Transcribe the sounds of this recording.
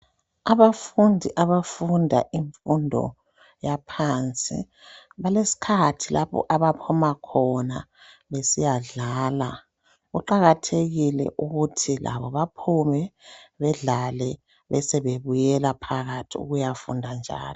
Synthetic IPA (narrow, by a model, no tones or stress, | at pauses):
aβafundʱiʔaβafundʱa̰ʔiɱfundʱɔ̰ | japʰant͡sʼḭ | βalesi̥kʰatʰilaβɔ̰ʔaβapʰɔmakʰɔna | βesijaɮaːla | ɣuǃaɣatʰeɣilɛ̰ʔuɣutʰilʔa̰βɔβapʰumɛβɛɮalɛ | βɛsɛβeβujɛlapʰaɣatʰiṵɣujafṵndʱand͡ʒʱa̰ːli